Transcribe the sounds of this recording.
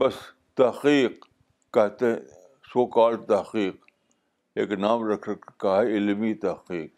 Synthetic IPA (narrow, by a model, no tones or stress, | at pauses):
bɐs | t̪ɐhqiːq̚ | kɛɦt̪eḛ̃ | soːkaːlt̪ɐhqiːq | eːknaːmɾɐkʰɾʰkaɦɛɪlmit̪ɐhqiːq̚